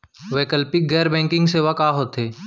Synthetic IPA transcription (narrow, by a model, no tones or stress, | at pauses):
ʋeːkəlpiɡɛːɾbɛ̃ːŋkɪ̃ŋɡseːʋakaːɦoːt̪ɦeː